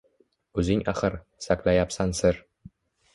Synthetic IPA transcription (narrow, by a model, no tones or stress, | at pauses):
ɵzɪŋaχɨɾ | saklajapsansɪɾ